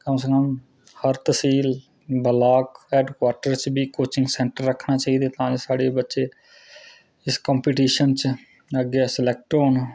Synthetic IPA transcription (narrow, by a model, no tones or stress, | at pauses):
kəmsekəm | həɾt̪əsiːl | bəlaːkɛːɖkwaːɾʈəɾt͡ʃbiːkoːt͡ʃɪ̃ŋɡsɛ̃ːɳʈəɾːəkʰnaːt͡ʃaːiːd̪eːt̪ãːd͡ʒesaːɽeːbətːʃeː | ɪskãːmpiːʈiːʃənt͡ʃ | əɡːɛːsɪlɛːk̚ʈoːnː